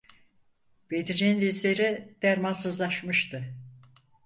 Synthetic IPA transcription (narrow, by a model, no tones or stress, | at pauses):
b̥ed̪id͡ʒenlʲislʲeɾid̪̥æɾmansɯzlˠaʃmɯʃt̪ʰɯ